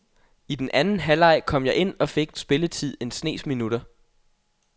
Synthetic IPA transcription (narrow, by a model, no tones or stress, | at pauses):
id̥enʔænn̩ɦælɑ̈ɪ̰kʰɒ̽m̰jɑ̈ɪʔe̝n̰ɒ̽fe̝ɡ̥nsb̥e̝lət͡sʰið̰ˠe̝nsne̝̰ːsminuɾ̥ɐ